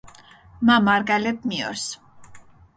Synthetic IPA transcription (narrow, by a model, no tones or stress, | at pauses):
mamaɾɡalɛp̚ʰmiɔ̰ɾs